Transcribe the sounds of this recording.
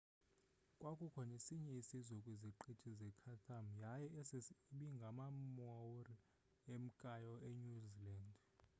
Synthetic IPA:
kʼwakʼukʰɔnesiɲɛisizɔkʼwiziǃitʰizɛkʰatʰʼamjajɛːsesɓiŋɡʱamamɔri | em̩kʼajɔeɲuziland

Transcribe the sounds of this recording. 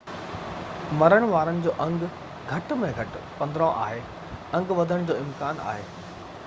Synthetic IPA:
mɐɾəɽ̃ʋaːɾənɪ̆d͡ʑoːʔɐ̃ŋɡ | ɡʱɐʈmẽɡʱɐʈpɐ̃nd̪ɾõʔa̰ːɦeː | ɐ̃ŋɡʋɐd̪ʱəɽ̃d͡ʑoːɪmkaːna̰ːɦeː

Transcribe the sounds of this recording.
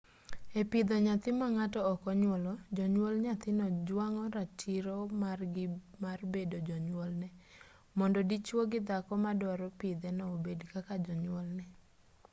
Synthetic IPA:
epid̪ɔɲat̪ɪmaŋatɔːkɔɲwɔlɔd͡ʒɔɲwɔlɲat̪ɪnɔd͡ʒwaŋɔɾat͡ʃiɾɔmarɡɪmarbedod͡ʒɔɲwɔlnɛ | mɔndɔdit͡ʃwoɡɪd̪akɔmadɔɾɔpid̪ɛnɔobedkakad͡ʒɔɲwɔlnɛ

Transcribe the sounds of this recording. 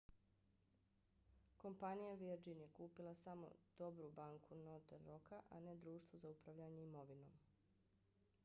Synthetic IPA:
ko̞mpanijaʋiɾd͡ʒinje̞kuːpilˠasamo̞̰d̪̥o̞bɾubaːŋkʰunot̪eɾokaʔane̞d̪ɾuːʃt̪ʋozaupɾaʋʎaɲeimo̞ʋino̞̰ːm

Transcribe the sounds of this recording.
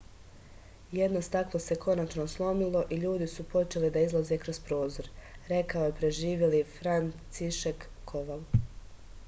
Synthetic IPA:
je̞d̪no̞st̪aklˠose̞kʰo̞nat͡ʃno̞slˠo̞milˠo̞ʔiʎuːd̪isupo̞t͡ʃe̞lid̪aizlˠaze̞kɾospɾo̞ːzo̞ɾɾe̞kaojepɾe̞ʒiːʋje̞lifɾansiʃekːʰo̞ʋal

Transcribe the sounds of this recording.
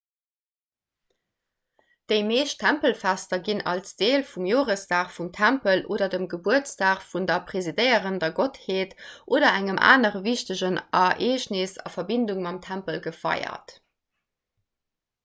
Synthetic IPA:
d̥əɪmeːʃtʰæmpəlfæstɐɡinɑ̰lsd̥eːlfumjoːʁəstaːχfumtʰæmpəlʔoːdɐdəmɡəbuət͡staːχfundɐpʁezidəɪəʁəndɐɡotheːtʔoːdɐæŋəmʔa̰ːnəʁəviʃtəʑənɑʔeːʃnesɑ̰fɐbinduŋmɑmtʰæmpəlɡəfɑ̰ɪɐ̰t

